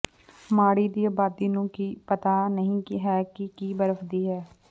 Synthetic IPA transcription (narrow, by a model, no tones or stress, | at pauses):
maːɽiːd̪iːaːbaːd̪iːnũːkiːpət̪aːnəɦĩːkɦɛːkɪkiːbəɾəfd̪iːɦɛː